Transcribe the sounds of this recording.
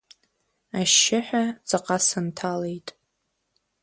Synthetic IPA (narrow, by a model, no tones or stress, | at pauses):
aʃːɪħᶣad͡zʼaqʼasɨntʰale̞jtʼ